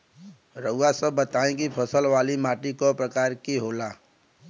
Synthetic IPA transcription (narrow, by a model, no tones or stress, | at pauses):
ɾəʊwasəbːət̪aːẽkipʰəsəlʋaːlimaːʈikopɾəkaːɾkiɦoːlaː